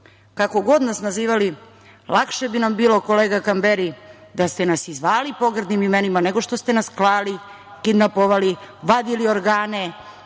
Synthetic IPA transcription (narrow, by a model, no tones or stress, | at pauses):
kako̞ɡo̞d̪nasnaziːʋali | lakʃebinambiːlˠo̞ko̞leːɡakambeɾid̪ast̪e̞nasizʋaːlipo̞ɡr̩d̪nimimenimane̞ɡo̞ʃt̪o̞st̪e̞nasklˠaːli | kid̪napoʋaliʋad̪ilio̞ɾɡaːne̞